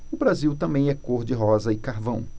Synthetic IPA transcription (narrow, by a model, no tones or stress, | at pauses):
ʊbɾaziwt̪ɐ̃mbẽj̃ɛkoɾd͡ʒɪɦɔzɐɪkaɾvɐ̃w̃